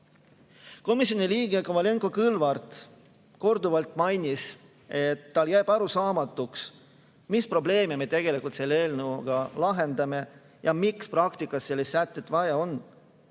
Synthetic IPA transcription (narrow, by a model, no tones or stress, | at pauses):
ko̞misjoniliːɡ̥e̞komɑleŋko̞kɯlvɑrt̪ | ko̞rd̪uvɑlt̪ˑmɑjnʲis | e̞t̪ːɑljæjːb̥ɑɾusɑːmɑt̪ːˑuks | mispro̞ble̞ːmemet̪e̞ɡ̥e̞likult̪selːee̞ːlnuɡ̥ɑlɑɦe̞nd̪ɑme̞ | jɑmiksprɑkt̪ikːˑɑsse̞lːist̪sæt̪ːˑet̪ːˑvɑjɑo̞n